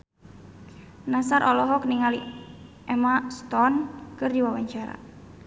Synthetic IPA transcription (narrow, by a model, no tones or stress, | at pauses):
nasaɾʔɔlɔɦɔkniŋali | ʔɛmast̪ɔnkɨrdiwawaɲt͡ʃaɾa̰